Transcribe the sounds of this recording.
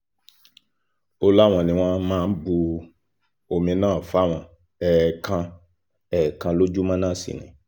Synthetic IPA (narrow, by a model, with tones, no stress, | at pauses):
o˧la˦w̃ɔ̃˧nĩ˧w̃ɔ̃˦mãː˦n̩˦bu˧ | o˧mĩ˧nãː˦˨fa˦˨w̃ɔ̃˧ | ɛ˨kʰã˧ | ɛ˦˨kã˧lo˦d͡ʒu˦mã˦nãː˦˨sḭ˨nḭ̃˨